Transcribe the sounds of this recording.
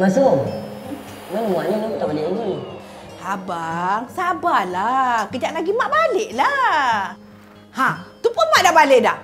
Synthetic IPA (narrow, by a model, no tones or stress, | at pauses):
masoŋ | manŋuaʔniniut̪aaleʔini | habaŋsabalakəd͡ʒaʔlaɡimaʔbaleʔla | hãt̪upʊnmaʔdabaleʔdah